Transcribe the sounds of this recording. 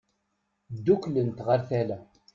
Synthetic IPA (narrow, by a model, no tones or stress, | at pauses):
d̪ːuklənt̪ʁəɾθælæ